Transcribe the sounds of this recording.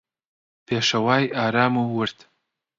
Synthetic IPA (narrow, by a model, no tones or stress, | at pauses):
peːʃɐwɑːjaːɾɑːmuwəɾt̪